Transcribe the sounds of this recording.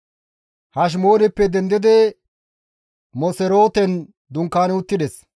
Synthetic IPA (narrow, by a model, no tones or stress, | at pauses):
hɐʃ̬moːnɛpːɛd̪ɛnd̪ɪd̪ɛ | mɔsɛɾo̞ːt̪ɛn | d̪ʊŋkːaːnɛʊt̪ːɪd̪ɛs